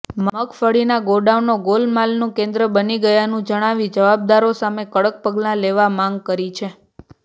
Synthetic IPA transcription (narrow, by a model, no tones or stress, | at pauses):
mməkfəɽinaɡoɖaʋnoɡolmalnũkẽnd̪ɾəbəniɡəjanũd͡ʒəɽ̃aʋid͡ʒəʋab̚d̪aɾosamekəɽək̚pəɡlãleʋamãŋɡ̚kəɾit͡ʃʰe